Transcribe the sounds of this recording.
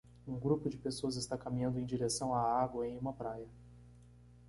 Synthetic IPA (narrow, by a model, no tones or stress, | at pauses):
ũɡɾupʊd͡ʒɪpesoɐzɪst̪akamĩɲɐ̃nd̪ʊẽj̃d͡ʒiɾesɐ̃w̃aaɡwɐẽj̃ũmɐpɾajɐ